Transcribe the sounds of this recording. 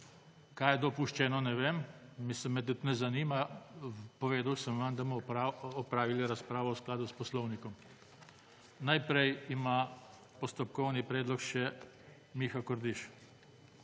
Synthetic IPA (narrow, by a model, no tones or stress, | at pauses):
kajɛd̪ɔpuʃt͡ʃɛːnɔnɛʋeːmmisɛmɛt̪̬ut̪nɛzaniːma | pɔʋeːd̪awsəmʋamd̪amɔɔpɾaːʋiliɾaspɾaːʋɔwsklaːd̪uspɔslɔwnikɔm | najpɾɛjima | pɔst̪ɔp̚kɔwnipɾɛːd̪lɔkʃɛ | mixakɔɾd̪iʃ